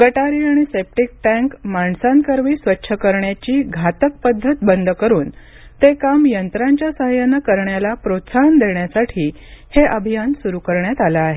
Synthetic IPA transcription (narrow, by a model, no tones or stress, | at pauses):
ɡəʈaɾiaɽ̃isep̚ʈik̚ʈæ̃ŋkmaɳsankəɾʋiːsʋətːɕʰəkəɾɳjat͡ɕiːɡʱat̪ək̚pəd̪ʱːət̪̚bənd̪ʱəkəɾuːn | t̪ekamjənt̪ɾaɲt͡ɕjasəɦəjanakəɾɳjalapɾot̪saɦənd̪eɳjasaʈʰiː | heʔəbʱijansuɾukəɾɳjat̪alaːɦe